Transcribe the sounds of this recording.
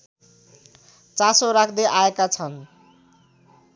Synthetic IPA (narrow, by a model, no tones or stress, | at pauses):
t͡sasoɾakʰd̪eʔaekat͡sʰʌn